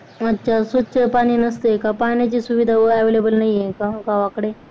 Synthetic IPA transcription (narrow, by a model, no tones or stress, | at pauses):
ətːɕʰasutːɕəpaɽ̃iːnəst̪ekapaɳjat͡ɕiːsuʋid̪ʱaʋəɛʋelebəlnaɦiekaɡaʋakəɽe